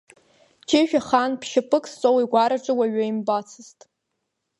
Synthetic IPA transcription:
t͡ʃʰeʒᶣaχanpʰʃapʰʼɨkʼst͡sʼowiɡʷaɾaʈ͡ʂʼɨwaɥaimbat͡sʰɨztʼ

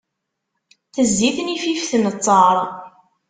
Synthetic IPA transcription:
θəzːiθnififθnət͡sˤːɑɾˤ

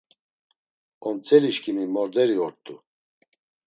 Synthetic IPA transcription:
ɔnt͡sʼɛliʃkʰʼimimɔɾd̪ɛɾiɔɾt̪ʼu

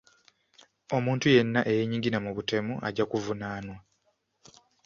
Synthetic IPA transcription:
o̞muːntuje̞nːaʔe̞jeɲiŋɡinamuβute̞muʔa̰ɟakuvunaːnwa

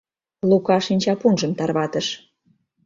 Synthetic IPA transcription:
lukɑʃinʲt͡ɕɑpunʒə̆mt̪ɑrβɑt̪əʃ

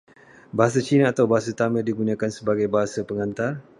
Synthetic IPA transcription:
baɦas̬at͡ʃinaːt̪awbaɦas̬at̪amədiɡunãkansəbaɡajbaɦasapəŋãnt̪ar

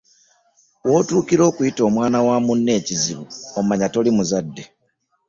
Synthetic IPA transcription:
wo̞ːtuːkiɾo̞ːkujito̞ːmwaːnawaːmunːe̞ːciziβuommaɲato̞limuzadːe̞

